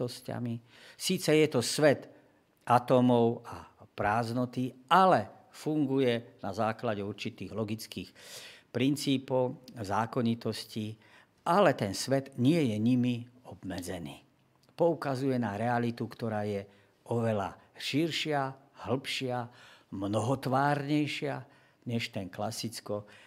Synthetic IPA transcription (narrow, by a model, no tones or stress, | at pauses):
ɔsca̰mi | siːt͡sɛjɛt̪ɔsʋɛt̪ | ʔat̪ɔmɔʊapɾaːznɔt̪iʔalɛ | fuŋɡujɛnazaːklaɟɛuɾt͡ʃit̪iːɣlɔɡit͡skiːxpɾint͡siːpɔʊzaːkɔɲit̪ɔsci | ʔalɛt̪ɛnsʋɛd̪ɲɪɛjɛɲimiɔbmɛd͡zɛniː | pɔukazujɛnaɾɛalit̪ukt̪ɔɾaːjɛ | ʔɔʋɛla̰ʃiɾʃɪahl̩pʃɪamnɔɦɔt̪ʋaːɾɲɛjʃɪa | ɲɛʃt̪ɛŋklasit͡skɔ